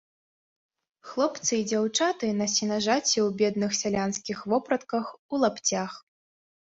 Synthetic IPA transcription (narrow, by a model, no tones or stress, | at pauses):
xlˠɔpt̪sɨd͡zʲawt͡ʂat̪ɨnɐsʲinɐʐat͡sʲɛwbʲɛd̪nɨxsʲalʲanskʲixvɔpɾɐt̪kɐxulˠapt͡sʲax